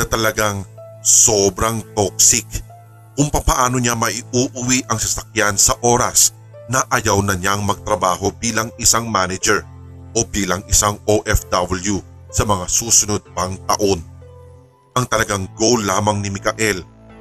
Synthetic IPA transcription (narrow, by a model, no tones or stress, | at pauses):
nɐt̪ɐlɐɡaŋso̞ːbɾɐŋt̪o̞k̚sɪk̚ | kʊŋpɐpɐʔaːno̞ɲamɐʔɪʔuːʔʊwiʔɐŋsɐsɐk̚jansɐʔo̞ːɾɐ̰s | nɐʔɐjawnɐɲaŋmɐɡ̚t̪ɾɐbaːɦo̞biːlɐŋɪsaŋmanɐd͡ʒɛɹ | ʔobiːlɐŋɪsaŋoʔɛfd̪ɐbɐlju | sɐmɐŋasuːsʊnod̪̚pɐŋt̪ɐʔo̞n | ʔɐŋt̪ɐlɐɡaŋɡowlːaːmɐŋnɪmɪkɐʔɛl